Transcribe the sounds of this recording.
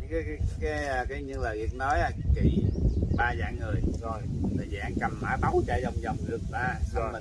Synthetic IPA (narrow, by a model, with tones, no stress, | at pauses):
kaː˨˦kːkaː˨˦jaː˧kaː˨˦jɲɨ˧ŋlaː˨˩ɣi˨˩ək̚nɔ˨˦jaː˧˩˧ki˧˩ɓaː˧zaː˧˩˦ŋŋɨ˨˩əjzʰo˧˩jt̪ʰə˨˩jzaː˧˩nka˨˩mːaː˨˦jɓa˨˦wt͡ɕaː˧˩jzə˧˩wŋ͡mzə˨˩wŋ͡mɗɨ˨˩ək̚ʔaː˧s